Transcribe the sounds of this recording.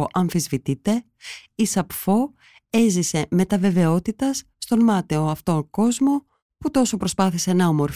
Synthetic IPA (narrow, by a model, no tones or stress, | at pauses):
ʔɐɱfizvit̪it̪e̞ | isɐpfo̞ | e̞zise̞me̞t̪ɐve̞ve̞o̞t̪it̪ɐsːt̪o̞nmɐt̪eo̞ɐft̪o̞ŋko̞zmo̞ | put̪o̞so̞pɾo̞spɐθise̞nɐomo̞ɾf